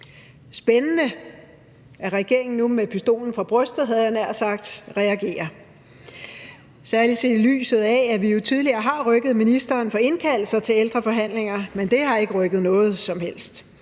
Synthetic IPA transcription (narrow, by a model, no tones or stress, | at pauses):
sb̥enənə | æɐʁɛɡ̥e̝̰ɐe̝ŋn̩numepʰisd̥o̝̰ːln̩fʁɑ̈b̥ʁœsd̥ð̩ˠɦæðˠjɑnæɐ̰sɑ̈ɡ̥d̥ʁɛæɡ̥e̝̰ːɐ | sæɐli̥se̝ily̰ːsð̞̩ˠææʋijo̝t͡sʰið̞ˠliɐːɦɑ̈ʁœɡ̥əð̩ˠminisd̥ɐːnfɒ̽e̝nkʰæl̰l̩sɐt͡sʰe̝leld̥ʁɐfɒ̽ɦæn̰le̝ŋɐmend̥e̝hɑ̈e̝ɡ̥əʁœɡ̥ð̞̩ˠnɔ̽ːð̞̩ˠsɒ̽mhel̰sd̥